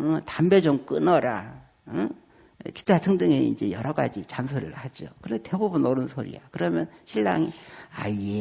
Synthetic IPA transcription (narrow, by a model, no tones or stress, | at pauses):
ɯtambe̞d͡ʑʌŋk͈ɯnʌɾa | ɯ | ki̥tʰatʰɯŋdɯŋe̞ḭnd͡ʑe̞jʌɾʌɡa̰d͡ʑit͡ɕansʰoɾɯ̰ɭhad͡ʑokɯnete̞bubunoɾɯnsʰoɾḭjakɯɾʌmjʌnɕʰiɭːa̰ŋiaje